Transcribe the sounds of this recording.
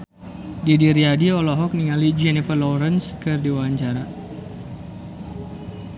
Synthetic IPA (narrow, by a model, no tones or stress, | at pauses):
didiɾiadiɔlɔɦɔk̚niŋalid͡ʒɛnifərlɔɾənskɨrdiwaaɲt͡ʃaɾa